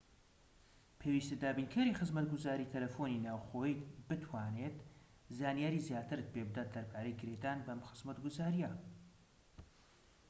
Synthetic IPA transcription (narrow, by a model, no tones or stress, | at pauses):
pʰewiːst̪ed̪aːbinkʰaːɾixɨzmɐt̪̚ɡʊzaːɾiːt̪ʰɐlɐfoninaːwxoːjibɨt̪ʰwaːneːt̪ | zaːnijaːɾiːzjaːt̪ɨɾɨt̪̚pʰebɨd̪aːt̪d̪ɐɾpʰaːɾejɡɨɾed̪aːnbɐmxɨz̥mɐt̪ɡʊzaːɾija